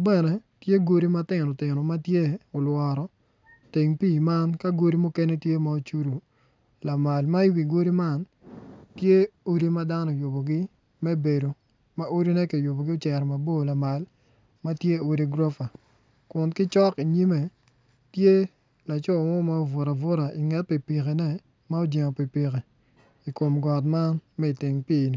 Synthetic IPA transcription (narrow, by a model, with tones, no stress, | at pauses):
bɛ˦˨nɛ˨tje˦ɡo˦ɾi˦ma˦tɪ˨nɔ˨tɪ˨nɔ˨ma˦tje˦o˨lwɔ˨ɾɔ˦ | ti˨ŋpiː˦˨ma˦nka˦ɡo˦ɾi˦mʊ˦ke˦nɛ˦tje˦ma˦˨o˦t͡ʃu˦ɾu˨ | la˨ma˨lma˦i˦wi˨ɡo˦ɾi˦ma˦n | tje˦o˦ɾi˦ma˦da˦nɔ˦˨jo˨bo˨ɡɪ˦ | mɛ˦be˨do˨ | ma˦o˦ɾi˦nɛ˦ki˨jo˨bo˨ɡi˦o˦t͡ʃɛ˨ɾɔ˨ma˨bo˦˨la˨ma˨l | ma˦tje˦o˨ɾi˦ɡɾo˦fa˨ | kʊ˨nkɪ˦t͡ʃɔ˦ki˨ɲi˦me˨ | tje˦ | la˨t͡ʃɔ˦˨mɔ˦ma˦o˨vʊ˨ɾa˨vʊ˦ɾa˨ʔi˨ŋɛ˦t̚pi˨pi˨ke˨nɛ˦ | ma˦o˦d͡ʒe˨ŋo˨pi˨pi˨ke˨ | i˨ko˨mɡɔ˨t̬ma˦nmɛ˦i˨tɪ˨ŋpiː˦˨ni˨˦